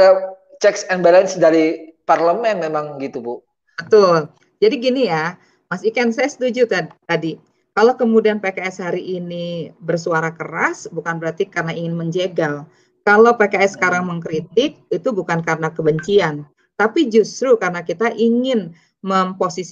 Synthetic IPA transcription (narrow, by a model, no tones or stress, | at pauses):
a | t͡ʃɛksɛnbalənsdaɾiparləmɛnmemaŋɡit̪ubu | bət̪ʊl | d͡ʒadiɡinija | masikansajasə̥t̪ud͡ʒut̪at̪adi | kalowkəmudianpekaɛshaɾiʔːnibərsuaɾakəɾasbukanbəɾat̪ikarənaiŋɪnməɲd͡ʒeɡal | kalawpekaɛsːə̥kaɾaŋməŋkɾit̪ɪk̚it̪ubukankaɾənakəbəɲt͡ʃian | t̪apid͡ʒust̪ɾukarənakit̪aʔiŋɪn | məmposis